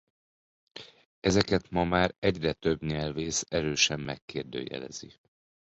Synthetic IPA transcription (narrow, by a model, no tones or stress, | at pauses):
ɛzɛkɛt̪mɒmaːɾɛɟrɛt̪øbɲɛlveːsɛɾøːʃɛmːɛkːeːrd̪ø̰ːjɛ̰lɛ̰zi